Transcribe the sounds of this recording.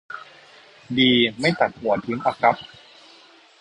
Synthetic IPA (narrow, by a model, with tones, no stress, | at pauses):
diː˧ma˥˩jt̪a˨˩t̪̚hu˨˩˦ɐt̪ʰɯ˦˥ŋʔa˧˩kʰɾa˦˥p̚